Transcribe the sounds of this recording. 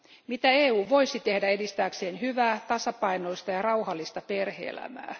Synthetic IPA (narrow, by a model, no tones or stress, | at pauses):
mit̪æeːuːʋo̞isit̪ehdæedist̪æːkseːnhyʋæːt̪ɑsɑpɑino̞ist̪ɑjɑrɑuhɑlːist̪ɑperhḛːlæ̰mæ̰ː